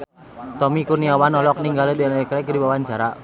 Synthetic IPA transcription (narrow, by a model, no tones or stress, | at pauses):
t̪ɔmikurniawanɔlɔk̚niŋɡalɛdɛlaɛkɾɛkdiwawaɲt͡ʃaɾa